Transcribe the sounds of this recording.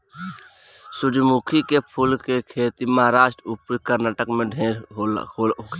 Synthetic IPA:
sʊd̪mukʰikepʰulkekʰeːt̪iməɦaɾaːʃʈɾəupɾikəɾnaːʈəkmẽɖʱeɾɦok

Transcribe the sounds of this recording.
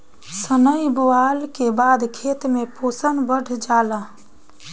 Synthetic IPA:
sənəjboalkebad̪kʰet̪meposənbəɽ̤ʱd͡ʒala

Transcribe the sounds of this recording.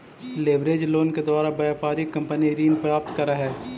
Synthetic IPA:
leːbɾeːd͡ʒloːnked̪waːɾabaːpaːɾikɐ̃mpəniɾiːnpɾaːp̚t̪kɐɾaɦɛː

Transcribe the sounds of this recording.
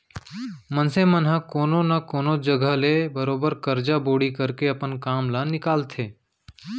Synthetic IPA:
mənsemənɦãkoːnonɐkoːnod͡ʒəɡʱəlebəɾoːbəɾkəɾd͡ʒaboːɽikəɾkeɐpənkaːmlanɪkaːlt̪ʰeː

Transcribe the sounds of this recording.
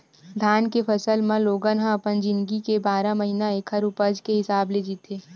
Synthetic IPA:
d̪ʱaːnkepʰəsəlmãloːɡə̃nɦãɐpənd͡ʒɪ̃nɡikebaːɾamɐɦinaekʰɐɾupəd͡ʒkeɦɪsaːbled͡ʒiːt̪eː

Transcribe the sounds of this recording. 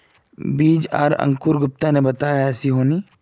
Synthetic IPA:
biːd͡ʒa̰ːɾɐ̰̃ŋkʊɾɡʊp̚t̪anebɐt̪aːjɛːsiɦoːniː

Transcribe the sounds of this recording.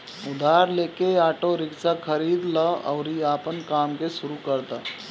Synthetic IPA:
ʊd̪ʱaːɾleːkeaːʈoɾɪksakʰɐɾiːd̪ləɔ̰ːɾiaːpənkaːmkeʃʊɾukɐɾd̪a

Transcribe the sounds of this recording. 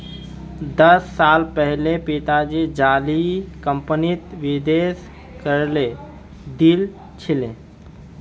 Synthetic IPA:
d̪əsːalpəɦlepiʈ̪ad͡ʒid͡ʒalikəmpənit̪ʋid̪es | kəɾle | d̪il | t͡ʃʰilẽ

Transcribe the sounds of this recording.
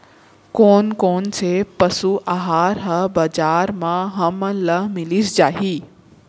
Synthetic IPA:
koːnkoːnsʰepəsuʔaɦaːɾɦɐbɐd͡ʒaːɾmãɦɐmələmɪlisd͡ʒaːɦiː

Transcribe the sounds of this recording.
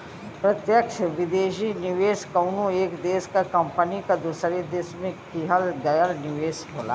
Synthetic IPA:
pɾɐt̪jəkʃʋɪd̪eːʃinɪʋeːskɐʊnũeːkd̪eːskakɐmpənikad̪usɾed̪eːsmẽkiɦəlɡɐjəɾnɪʋeːsɦoːla̰ː

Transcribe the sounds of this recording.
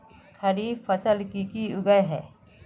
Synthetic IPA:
kʰɐɾipʰɐsəlkikiʊɡəjɦɛː

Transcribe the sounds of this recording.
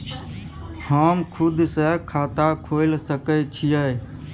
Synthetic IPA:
həmkʰʊd̪səkʰaːt̪akʰoɪlsəkət͡ʃʰijə

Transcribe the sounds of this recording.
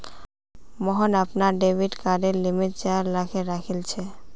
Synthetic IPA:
mɔɦonapnaɾɖebʱiɖkaɖeɾlimiʈ̚t͡ɕaɾlakʰeɾakʰilt͡ɕʰe

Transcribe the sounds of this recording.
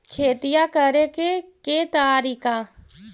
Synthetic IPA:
kʰeːt̪ɪjakəɾekeket̪aːɾiːka

